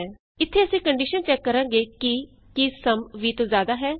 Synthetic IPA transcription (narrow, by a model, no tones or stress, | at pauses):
ɪt̪ʰːeːəsĩːkəɳɖɪʃənt͡ʃɛːkːəɾãːɡeːkɪ | kisəmʋiːt̪õːzjaːd̪aːɦɛː